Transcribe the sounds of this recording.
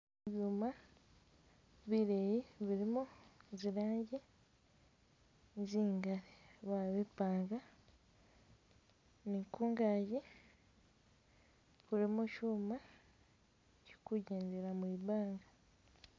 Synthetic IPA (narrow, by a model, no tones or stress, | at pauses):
eβjuma | βiɾejiβiɾimoziɾaːɲɟi | nziːŋɡaɾiβaβepaːŋɡa | nikuːŋɡaːɟi | kuɾimoʃuːma | ci̥kuɟeːnzeɾamuibaːŋɡa